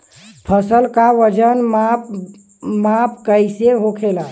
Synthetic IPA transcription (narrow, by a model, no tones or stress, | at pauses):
pʰəsəlkaʋəd͡ʒənm | map̚ʰkəjseɦokʰela